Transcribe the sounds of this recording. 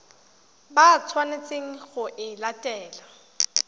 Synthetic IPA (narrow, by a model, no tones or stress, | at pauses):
bat͡sʰwanet͡seŋ̩χʊʔɪlatʼɛːla